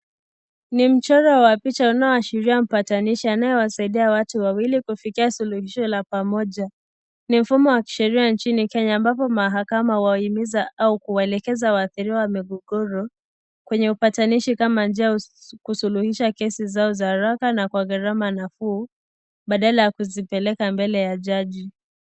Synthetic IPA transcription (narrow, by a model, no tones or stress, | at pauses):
nim̩t͡ʃɔɾawapit͡ʃaunaɔaʃiɾiam̩pataniʃianajɛwasaiɗiawatuwawilikufikiasuluhiʃɔlapamɔʄa | nim̩fumɔwaki̥ʃɛɾiant͡ʃinikɛɲaːmbapɔmaɦakamauwaimizaʔaukuwaɛlɛkɛzawaːθiɾiawamiɡɔɡɔɾɔ | kwɛɲɛupataniʃikamand͡ʒiakusuluhiʃakɛsizaɔzahɾakanakwaɣaɾamanafuː | ɓaɗalajakuzipɛlɛkambɛlɛjaʄaʄi